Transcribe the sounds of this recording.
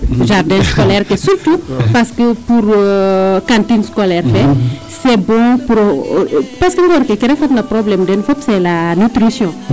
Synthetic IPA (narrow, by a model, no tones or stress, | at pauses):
ʒardɛ̃skɔlɛɾkɛsuɾtupaskəpuɾ | kãntinskɔlɛɾfɛ | sɛbɔ̃puɾ | paskəŋɡɔɾkekiɾɛfɐt̪lɐpɾɔblɛmdɛnfɔpsɛlanutɾisjɔ̃